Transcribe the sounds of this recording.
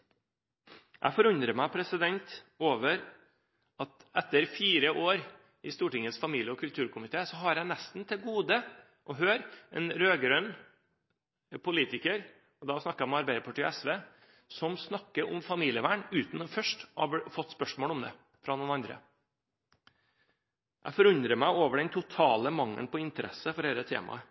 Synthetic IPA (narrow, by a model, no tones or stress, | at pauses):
ʔæ̰ɪfɔɾʉɲd̪ɾəmæɪpʰɾɛsɪd̪ɛnt̪oːʋəɾ | ɑt̪ɛt̪ːəɾfiːɾəʔoːɾ | ɪst̪uːʈɪŋəsfɑmiːljəɔkʰʉlt̪ʰʉːɾkʰʊmɪt̪ʰeːsɔɦɑɾjæɪnæst̪n̩t̪ʰɪlɡuːd̪ə | ʔɔɦøːɾɛ̰nɾøːɡɾœn | pʰʊliːt̪ɪkəɾ | ɔd̪ɑsnɑkːæmɑɾbæɪd̪əpʰɑʈiːɔ̰ɛsʋeː | sɔmsnɑkːəɾʊ̰mfɑmiːlɪəʋæːɳʉːt̪nɔfœʂʈɑbfɔt̪ːspœʂmoːlʊmd̪ɛ̰ː | fɾɑnuːnɑnd̪ɾə̰ | ʔæ̰ɪfɔɾʉɲd̪ɾəmæɪoːʋəɖɛnt̪ʰʊt̪ʰɑːləmɑŋːə̰npɔɪnt̪əɾɛ̰səfɔɖeːɾət̪ʰḛːmɑ̰ə